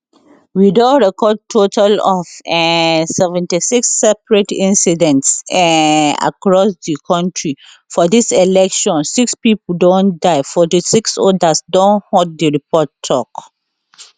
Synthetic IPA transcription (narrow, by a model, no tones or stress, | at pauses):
widoɹɛkɔd̚tʰotʰalɔfɛsɛvɛ̃ntisiksːɛpɹɛtĩnsidɛ̃nts | a̰kɹɔsdikʰɔ̃ntɹi | fɔdisɛlɛkʃɔ̃nsikspipl̩dɔ̃ndaɪfɔtisiksɔdasdɔ̃nhɔd̚diɹipʰɔtʰːɔk